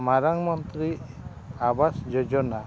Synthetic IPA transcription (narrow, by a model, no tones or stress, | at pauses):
maɾaŋmɔnt̪ɾi | abasd͡ʒod͡ʒɔna